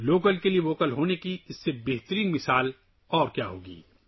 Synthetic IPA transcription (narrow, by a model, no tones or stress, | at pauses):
loːkəlkelieʋoːkəlɦoːnekiɪsːebeːɦt̪əɾiːnmɪsaːl | ɔːɾkjaːɦo̰ːɡḭː